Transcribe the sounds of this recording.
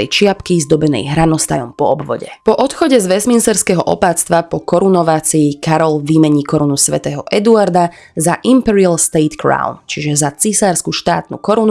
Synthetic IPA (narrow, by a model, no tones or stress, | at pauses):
ɛjt͡ʃɪapkizd̪ɔbɛnɛ̰jɦɾanɔst̪a̰jɔmpɔɔbʋɔ̰ɟɛ̰pɔʔɔt̪xɔɟɛzʋɛzminsɛɾskɛːɦɔʔɔ̰paːt͡st̪ʋapɔkɔɾunɔʋaːt͡siːkaɾɔlʋiːmɛɲikɔɾunusʋɛt̪ɛːɦɔʔɛd̪uaɾd̪a | zaʔimpɛɾialst̪ɛːt̪kɾa̰ʊnt͡ʃiʒɛzat͡sisaːɾskuʃt̪a̰ːt̪nṵkɔɾunu